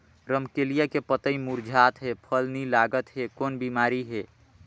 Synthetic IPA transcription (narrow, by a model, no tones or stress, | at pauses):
ɾəmkelijakepət̪əimuɾd͡ʒʱat̪ɦepʰəlnilaɡət̪ɦekoːnbimaːɾiɦe